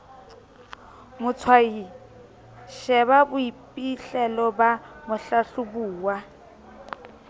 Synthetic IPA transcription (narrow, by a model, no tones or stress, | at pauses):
mʊt͡sʰwai | ʃɛβabʊipʼiɬɛlɔbamʊɬaɬubuːwa